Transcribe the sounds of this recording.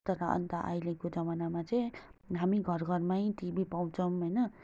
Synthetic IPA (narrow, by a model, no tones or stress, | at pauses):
t̪ʌɾʌʌ̰nt̪aʔa̰jlekod͡zʌmanamat͡sʌj̃ɦamiɡʱʌrɡʱʌrmajĩt̪ibipaw̃t͡sʰʌ̃mɦojnʌ